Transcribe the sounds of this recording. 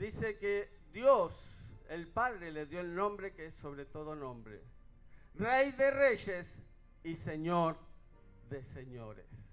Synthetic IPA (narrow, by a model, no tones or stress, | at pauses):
d̪iseked̪joselpaðɾeleðjoelnõmbɾekeesoβɾet̪oð̞onõmbɾḛ | rejðereʃes | iseɲoɾ | ðeseɲoɾḛs